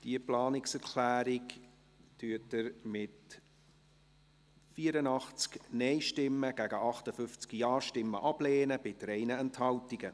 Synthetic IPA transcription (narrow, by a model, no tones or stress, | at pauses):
d̥iəplɑːnɪksɛɾkʰlæːɾik | tyːətəɾmɪt | fiːəɾənɑχt͡sknɛɪʃtɪmːəɡ̥æɡəʔɑχtəfʏft͡skijɑːʃtɪmːə̰ʔɑb̥leːnəb̥ɪdɾɛɪnəɛnthɑltiɡə